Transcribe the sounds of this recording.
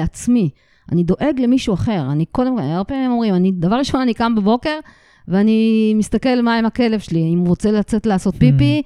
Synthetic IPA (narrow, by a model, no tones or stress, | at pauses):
at͡smi | anid̪o̞ʔe̞ɡle̞miʃuaχe̞ʁaniko̞demkoalbeemo̞mʁimanid̪avaʁliʃonanikambebo̞ke̞ʁ | veanimist̪ake̞lmaemake̞le̞vʃeliimʁo̞t͡selat͡se̞t̪leaso̞t̪̚pipi